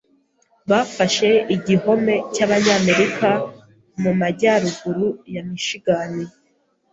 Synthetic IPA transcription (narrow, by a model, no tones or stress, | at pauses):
βafaʃe̞iɟiho̞me̞caːβaɲaːme̞ɾika | mumaɟaɾuɡuɾujamiʃiɡani